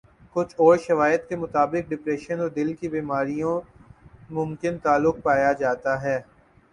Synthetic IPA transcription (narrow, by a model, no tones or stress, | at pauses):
kʊt͡ʃʰɔːɾʃɐʋaːjəd̪kemʊt̪aːbɪk̚ɖɪpɾɛːʃənɔːɾd̪ɪlkibiːmaːɾijõ | mʊ̃mkɪnt̪aːlːʊk̚paːjad͡ʒaːt̪aɦɛː